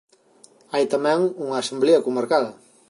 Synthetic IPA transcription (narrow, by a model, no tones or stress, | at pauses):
ajt̪amɛŋuŋasambleakumaɾkaðɐ